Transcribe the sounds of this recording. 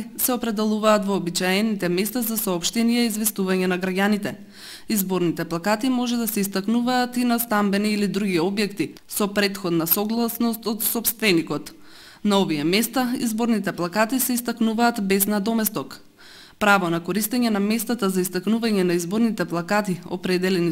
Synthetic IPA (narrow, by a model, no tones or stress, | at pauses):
sɛopɾɛd̪ɛlˠuvaːt̪vɔːbit͡ʃaɛnit̪ɛmɛst̪azasaːpʃt̪ɛnijɛizvɛst̪uvaɲɛnaɡɾaɟanit̪ɛ | izboɾnit̪ɛplˠakat̪imɔʒɛd̪asɛist̪aknuvaːt̪inast̪ambɛniːlid̪ɾuɡiɔbjɛkt̪i | sɔpɾɛt̪xɔd̪nasɔɡlˠasnɔst̪ɔt̪sɔpst̪vɛnikɔt̪ | naovijɛmɛst̪aizboɾnit̪ɛplˠakat̪isɛist̪aknuvaːt̪bɛznad̪ɔmɛst̪ɔk | pɾavɔnakoɾist̪ɛɲɛnamɛst̪at̪azaist̪aknuvaɲɛnaizboɾnit̪ɛplˠakat̪iɔ̰pɾɛd̪ɛlɛni